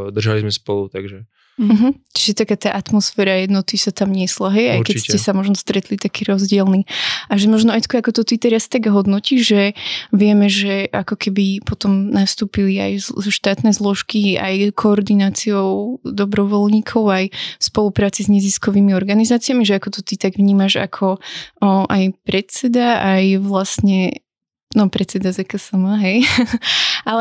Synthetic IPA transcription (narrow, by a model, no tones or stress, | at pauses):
d̪r̩ʒalizmɛspɔlut̪aɡʒɛ | m̩ɦm̩t͡ʃiʒɛt̪akaːt̪aːʔat̪mɔsfɛːɾajɛd̪nɔt̪isat̪amɲɪɛslaɦɛjajkɛcscɛsamɔʒnɔst̪ɾɛt̪lit̪akiːɾɔzɟɪɛlniʔaʒɛmɔʒnɔɛjt̪kɔakɔt̪ɔt̪it̪ɛɾast̪aɡɦɔd̪nɔciʒʒɛʋɪɛmɛʒɛʔakɔkɛbipɔt̪ɔmnast̪uːpilia̰jzzɔʃt̪aːt̪nɛzlˠɔʃkia̰jkʰɔɔɾd̪inaːt͡siɔʊd̪ɔbɾɔʋɔlɲiːkʰɔʊajfspɔlupɾaːt͡sizɲɛziskɔʋiːmiɔɾɡanizaːt͡siamiʒɛakɔt̪ɔt̪it̪aɡʋɲiːmaʒa̰kʰɔ | ʔajpɾɛt̪sɛd̪aajʋlast̪ɲɛ | nɔpɾɛt̪sɛd̪azɛkasamaɦɛj | ʔalɛ